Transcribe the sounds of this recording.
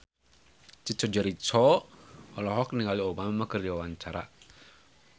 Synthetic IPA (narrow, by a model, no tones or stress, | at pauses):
t͡ʃit͡ʃɔd͡ʒaɾit͡ʃɔ | ɔlɔɦɔkniŋaliobamamakərd͡ʒiwawaɲt͡ʃaɾa̰